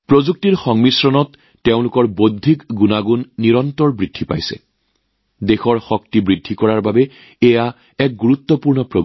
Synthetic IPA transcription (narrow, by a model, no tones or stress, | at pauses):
pɹozuk̚tiɹxɔŋmisɹɔnɔtː | eʊ̃lʊkɔɹbodʱikɡunaɡunːiɹɔntɔɹbɹidʱːipa̰jsɛ̰ | dexɔɹxɔk̚tibɹidʱːikɔɹaɹbabɛ | ɛja | ɛk̚ɡuɹut̪ːɔpuɹnɔpɹo